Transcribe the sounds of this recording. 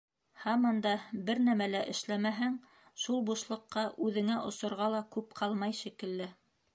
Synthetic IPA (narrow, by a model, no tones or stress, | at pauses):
hæmɤ̆nd̪ɑbɘɾnæmælæʔɘ̆ʃlæmæɦæŋ | ʃulˠbuʃlˠɤ̆qːɑʔʉðɘ̆ŋæʔŏsŏɾʁɑlˠɑkʉpqʰɑlˠmɑjʃikɘ̆lːɘ